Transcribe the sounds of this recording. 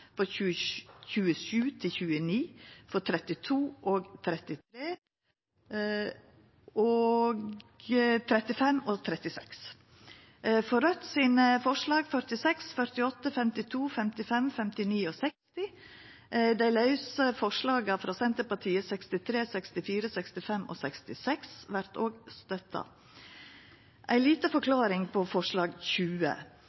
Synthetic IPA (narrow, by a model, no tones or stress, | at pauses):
fɾɔʉːçʉːəʃʉːt̪ʰɪçʉːəniːfɔt̪ʰɾɛt̪ɪt̪ʰuːʔoːɡt̪ʰɾɛt̪ɪt̪ʰɾeː | oɡ | t̪ʰɾɛt̪ɪfɛmɔt̪ʰɾɛt̪ɪsɛ̰ks | fɔɾœt̪siːnəfɔʂɭɑːɡfœɾʈ̪ɪsɛksfœɾt̪ɪɔt̪ːəfɛmt̪ɪt̪ʰuːfɛmt̪ɪfɛmfɛmt̪ɪniːɔsɛkst̪ɪ | d̪æɪlɑʉsəfɔʂɭɑːɡɑfɾɑːsɛnt̪əɾpɑʈʰiːəsɛkst̪ɪt̪ʰɾeːsɛkst̪ɪfiːɾəsɛkst̪ɪfɛmɔ̰sɛkst̪ɪsɛksʋæɾt̪ʰoːɡst̪œt̪ɑ̰ | ʔæɪliːt̪əfɔkʰlɑːɾɪŋpʰɔfɔʂɭɑːɡçʉːə̰